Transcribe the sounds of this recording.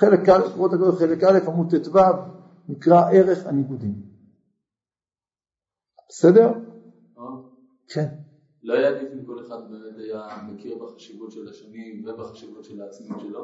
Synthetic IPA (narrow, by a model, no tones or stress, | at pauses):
χelekalekʁot̪akodoχelekʔale̞famud̚t̪etvav | nikʁaʔe̞ʁeχaniɡud̪im | b̥esed̪e̞ʁ | o | kʰen | loajad̪ifimko̞leχad̪̚bemet̪ajamekʰiʁbaχaʃivutʃelaʃanimvebaχaʃivut̪ʃelaːt͡smimʃelo